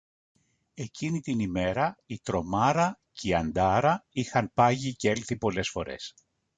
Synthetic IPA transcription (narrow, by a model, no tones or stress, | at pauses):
e̞cinit̪inime̞ɾɐit̪ɾo̞mɐɾɐciɐnd̪ɐɾɐixɐnpɐʝice̞lθipo̞le̞sfo̞̰ɾe̞̰s